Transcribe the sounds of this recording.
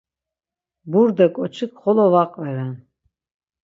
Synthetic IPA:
buɾd̪akʼɔt͡ʃʰɨkχɔlɔvaqʼvɛɾɛn

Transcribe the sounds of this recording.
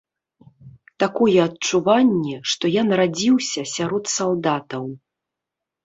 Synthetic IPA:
t̪akɔjɛɐtt͡ʂuvanʲːɛʂt̪ɔjanrad͡zʲiwsʲɐsʲaɾɔt̪salˠd̪at̪ɐw

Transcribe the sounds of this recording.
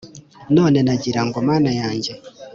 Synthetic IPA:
nɔnɛnaɟiɾaŋɡɔmanajaɲd͡ʒɛ

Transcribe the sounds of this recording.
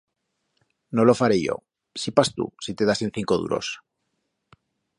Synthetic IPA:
nolo̞faɾeʝo̞̰ | sipast̪ṵsit̪e̞ðasenθiŋko̞ð̞ṵɾo̞̰s

